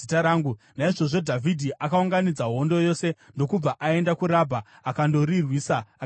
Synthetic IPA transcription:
itaɾaːŋɡu | naiʐo̞ʐo̞dʱavʱidʱiʔakauŋɡanid͡zaɦo̞ndo̞jo̞se̞ | ndo̞kub͡vaʔae̞ndakuɾabʱaakando̞rirwiːsaa

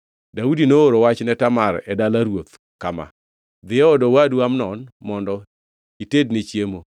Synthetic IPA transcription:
daudinooɾowat͡ʃnɛtamaɾɛdalaɾwot̪ | kama̰ | d̪ɪjɔɔdɔwadwamnɔnmɔndɔ | itednɪt͡ʃjemo

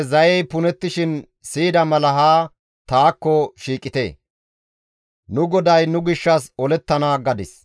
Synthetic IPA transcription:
zɐjɛjpʊnɛt̪ːɪʃɪn | siːd̪ɐmɐlɐɦaː | t̪aːkːɔʃiːkʼɪt̪ḛː | nʊɡɔd̪ɐjnʊɡɪʃːɐsɔlɛt̪ːɐnaːɡɐd̪ɪ̰s

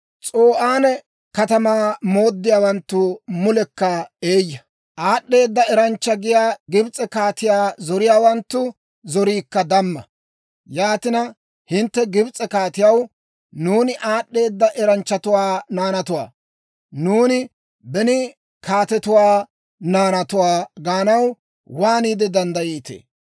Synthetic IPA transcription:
t͡sʼoːʔaːnɛ | kɐt̪ɐmaːmoːd̪ːɪjaːwɐnt̪ːʊmʊlɛkːɐeːjːɐ | ʔaːɗːe̞ːd̪ːɐɛɾɐnt͡ʃːɐɡɪjaːɡɪbt͡sʼɛkaːt̪ɪjaːzɔɾɪjaːwɐnt̪ːʊ | zɔɾiːkːɐd̪ɐmːɐ | jaːt̪ɪnɐ | hɪnt̪ːɛɡɪbt͡sʼɛkaːt̪ɪjɐw | nuːnɪʔaːɗːe̞ːd̪ːɐʔɛɾɐnt͡ʃːɐt̪ʊwaːnaːnɐt̪ʊwa̰ː | nuːnɪ | bɛnɪ | kʰaːt̪ɛt̪ʊwaː | naːnɐt̪ʊwaːɡaːnɐw | waːniːd̪ɛd̪ɐnd̪ɐjiːt̪ḛː

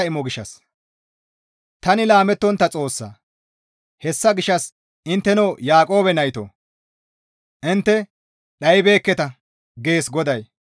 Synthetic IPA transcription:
ɐɪmɔɡɪʃːɐ̰s | t̪ɐnɪlaːmɛt̪ːɔnt̪ːɐt͡sʼo̞ːsːɐ̰ | hɛsːɐɡɪʃɐs | ɪnt̪ːɛnoːjaːkʼo̞ːbɛnɐjt̪o̰ | ʔɪnt̪ːɛ | ɗɐjɪbe̞ːkːɛt̪ɐ | ɡe̞ːsɡɔd̪ɐj

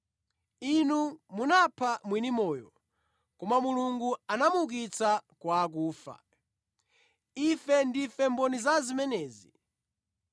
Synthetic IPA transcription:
inumunapʰamwinimɔːjɔ | kɔmamuluŋɡuanamuk̬it͡sakwaːk̬uːfa̰ | ifɛndifɛmbɔnizazimɛnɛːzi

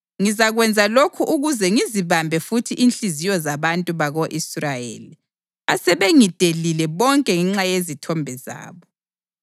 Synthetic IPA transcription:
ŋizaɣwɛnd͡zʱalokʰuʔuɣuzɛŋiziβambʱɛfutʰiʔinɬizijɔzaβantʼuβaɣoʔisrajḛːli | asɛβeŋid̥ʱelilɛβɔŋkʼɛŋɛŋ͡ǁajezitʰɔmbʱɛza̰ːβɔ

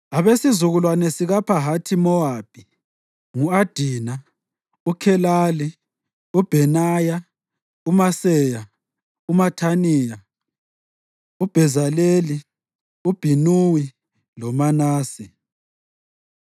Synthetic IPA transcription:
aβesizuɣulwanɛsiɣapʰaɦatʰimɔab̥ʱi | ŋuad̥ʱiːna | ukʰɛlaːli | ub̥ʱɛnaja | umasɛːja | umatʰaniːja | ub̥ʱɛzaleli | ub̥ʱinuwi | lɔmanaːsi

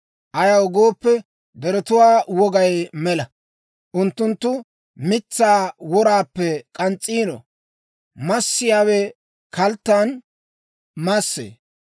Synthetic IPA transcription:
ʔɐjɐwɡoːpːɛ | d̪ɛɾɔt̪ʊwaːwɔɡɐjmɛlɐ | ʔʊnt̪ːʊnt̪ːʊ | mɪt͡sːaːwɔɾaːpːɛkʼɐnt͡sʼːiːnɔ̰ | mɐsːɪjaːwɛ | kɐlt̪ːan | mɐsːḛː

